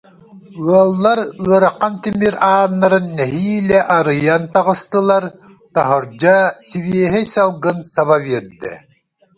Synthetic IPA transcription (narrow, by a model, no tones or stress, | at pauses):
ɯɐlˠːaɾɯɐɾaqːant̪imiɾaːnːaɾɯnːɛɦiːlɛʔaɾɯjant̪aʁɯst̪ɯlˠaɾ | t̪aɦɔɾd͡ʑasiβiɛɦɛsalˠɡɯnsaβaβiɛɾd̪ɛ̰